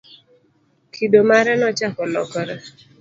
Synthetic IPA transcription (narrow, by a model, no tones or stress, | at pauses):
kʰidomaɾɛnɔt͡ʃakɔlɔ̰kɔɾɔ